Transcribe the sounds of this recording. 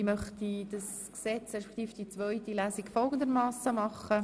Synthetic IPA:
mœχtid̥ɑs | ksɛt͡sɾɛʃpe̥kχt̪iːfd̥it͡sʋœʏt̪ilæːsikfɔlˠɡənd̪əɾmɑːsəmɑχːə

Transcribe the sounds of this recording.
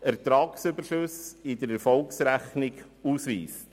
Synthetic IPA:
ɛʁt̪ɾɑːksybəʃʊsɪd̪əɾɛɾfɔlksɾæχnɪɡ | uːsvḭːs

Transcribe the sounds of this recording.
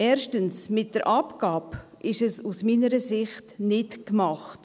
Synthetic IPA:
ɛːɾʃtənsmɪt̚dəɾʔɑpɡ̥ɑːpʔɪʃɛsusmiːnəɾəsɪχtnɪtkmɑχt

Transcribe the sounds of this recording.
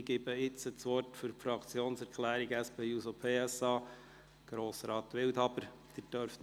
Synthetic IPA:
ɡ̥ɪbəɪt͡sət͡sʋɔrtfyɾfɾɑkt͡sjoːnsɛɾkʰlæːɾiɡæspeːusopʰeːɛsɑː | ɡ̥ɾoːsɾɑːt̪ʋɪlt̪ɑb̥əɾ | d̥̪ɪd̥œɾf

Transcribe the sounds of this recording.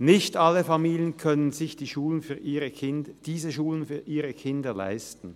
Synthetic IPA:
nɪçtʔalːəfamiːljənkʰœnənzɪçd̥iːʃuːlənfyːɐʔiːʁəɪnd̥iːzəʃuːlənfyːɐʔiːʁəkʰɪndɐla̰ɪstn̩

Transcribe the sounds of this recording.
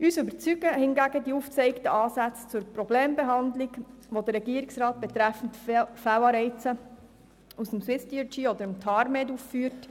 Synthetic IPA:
yːsʏbəɾt͡syɡ̥əhɪnɡæɡədiuft͡sɛɪktəʔɑːsæt͡st͡sʊɾprɔbleːmbeɦɑnd̪liɡʋod̪ərɾːɛɡiːəɾiksɾɑːt̚b̥ɛt̪ɾæfn̩tfæwɑːɾɛɪt͡sə | usəmswɪstiət͡ʃiɔd̪əɾəmtʰɑɾmeːduffyːɾt

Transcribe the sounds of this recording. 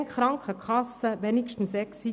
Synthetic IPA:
ŋχɾɑŋkʰəkʰɑsəʋɛnikʃtn̩sɛksi

